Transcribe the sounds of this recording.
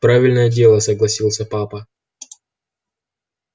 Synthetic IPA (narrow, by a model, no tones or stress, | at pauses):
pɾavʲɪlʲnəjədʲe̞lˠəsəɡlˠɐsʲilˠsʲəpapə